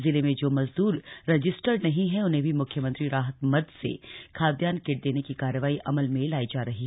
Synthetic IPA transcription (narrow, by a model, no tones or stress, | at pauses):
zɪlemẽd͡ʒoːmɐzd̪uːɾːɐd͡ʒɪsʈəɾnɐɦĩɦɛʊnɦẽbʱimʊkʰjəmɐ̃nt̪ɾiɾaːɦət̪mɐd̪sḛkʰaːd̪jaːnkeːʈ̚d̪eːnekikaːɾəʋaːiʔɐməlmẽlaːid͡ʒaːɾɐɦi